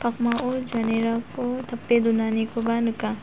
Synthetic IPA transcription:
pʰɐkmaʔod͡ʒaneɾakot̪ʰɐpːed̪unaːnikobanuka

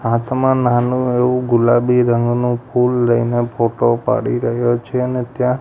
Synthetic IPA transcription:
ɦat̪ʰmãnanũeʋũɡʊlabiɾəŋɡnũpʰulɾəinepʰoʈopa̰ɽiɾəɦjot͡ʃʰeənet̪jã

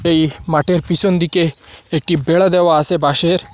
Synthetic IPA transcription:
eimaʈeɾpisond̪ikeːk̚ʈibeɭad̪eʋaːsebʱaɕeɾ

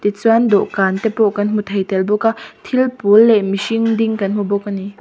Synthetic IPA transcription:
t̪it͡swand̪ɔʔkaːnt̪ɛpɔʔkɐnmut̪ʰɐjt̪ɛlbɔkat̪ʰilpulːɛʔmisiŋdiŋkɐnmɔbɔkːani

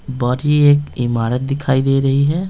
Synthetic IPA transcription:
bɔɾieːkɪmaːɾət̪̚d̪ɪkʰaːid̪eːɾɐɦiɦɛː

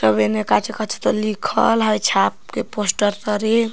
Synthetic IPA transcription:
səbenekat͡ʃʰekət͡ʃʰe̥t̪olikʰə̰lɦəjt͡ʃʰap̚keposʈəɾt̪əɾe

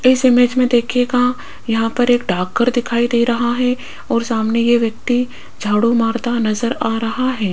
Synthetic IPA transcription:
ɪsɪmed͡ʒmẽd̪eːkʰeɡa | jɐɦãpɐɾeːkɖaːkːəɾd̪ɪkʰaːid̪eːɾɐɦaɦɛ | ɔːɾsaːmnejeʋjɐk̚t̪i | d͡ʒʱaːɽumaːɾd̪anɐzəɾaːɾɐɦaɦɛː

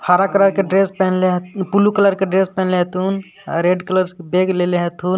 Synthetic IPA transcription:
haːɾakələɾkeɖɾespɛɦnleɦ̪pulukələɾkeɖɾespɛɦɛ̃nleɦt̪un̰ | ɾeɖkələɾskebeɡleleɦet̪ʰuːn

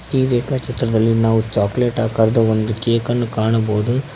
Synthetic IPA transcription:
ʈiːɾeːkat͡ʃɐt̪ɾɐd̪ɐlːinaːʋut͡ʃaːkleːʈaːkɐɾɐd̪ɐond̪ukeːkɐnːukaːɳɐboːd̪u

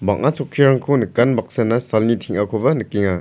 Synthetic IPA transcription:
baŋ̚ʔat͡sʰɔkʰːiɾaŋkʰonɯkanbak̚sanasalnitʰiŋakʰɔbɐnɯkiŋa

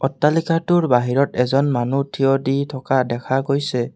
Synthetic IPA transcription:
ɔtːalikatʊɹbaɦiɹɔtɛzɔnmanutʰiɔditʰɔkadɛkʰaɡojsɛ

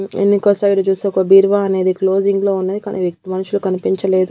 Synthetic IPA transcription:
ḛnːikoːsaːiɽɐt͡ʃuːseːɔkɐbiːɾʋaːɐne̞ːd̪iklo̞ːd͡ʒiŋɡlo̞ːunːɐd̪ikɐnʔḭʋjek̚t̪imɐnɐʃulukɐnipiɲt͡ʃɐle̞ːd̪u

